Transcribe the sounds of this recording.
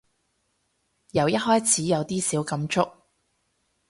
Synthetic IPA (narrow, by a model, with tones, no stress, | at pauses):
jɐ˨˩wjɐ˥t̚hɔː˥jt͡sʰiː˨˥jɐ˨˧wt̪iː˥siː˨˥wkɐ˨˥mt͡ʃʊ˥k̚